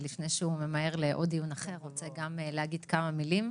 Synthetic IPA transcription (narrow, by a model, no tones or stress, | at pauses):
lifnejʃeume̞mae̞ʁleʔo̞dijunaχe̞ʁːot͡seɡamleaɡid̥kamamilim